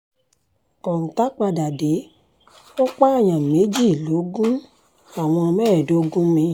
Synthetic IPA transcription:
kɔ̃˨n̩˨ta˦k͡pa˧da˨de˨˦ | o˦k͡pa˦a˦˨j̃ã˨me˨˦d͡ʒi˦˨lo˨˦ɡũ˦ | a˨w̃ɔ̃˧mɛ˦˨do˨˦ɡũ˦mĩ˧˨

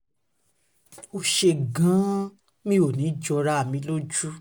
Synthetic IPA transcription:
o˧ʃe˧˨ɡã˨˦ | mĩ˦o˨nĩ˨˦d͡ʒɔ˧ɾa˦a˦˨mĩ˧˦lo˦d͡ʒu˦

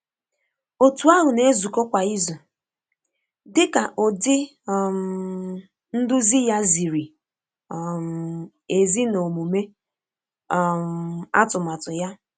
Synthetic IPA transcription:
o˨tu˨a˦ɦʊ˨ne˦zu˨ko˦kʷa˨i˦zu˨ | dɪ˦ka˨ʔo˨dɪ˦˨ | m̩ | n̩˦dʊ˦zi˦ja˦zi˨ɾi˨ | m | e˨zi˦no˨mu˨me˦˨ | m˨a̰˦tʊ˨ma˨tʊ˨ja˦

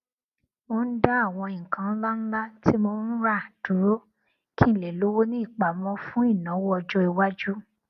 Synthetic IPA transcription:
mo˧˦n̩˦da˦a˦˨w̃ɔ̃˧ĩ˨kã˨˦n̩˦la˦n̩˦la˦ti˦mo˧˦n̩˦ɾa˦˨d̥u˨˦ɾo˦ | ki˦˨le˨lo˨˦wo˦nĩ˦i˦˨k͡pa˨mɔ̃˧˦fũ˦i˦˨nã˨˦wo˦ɔ˧d͡ʒɔ˦i˧wa˦d͡ʒu˦

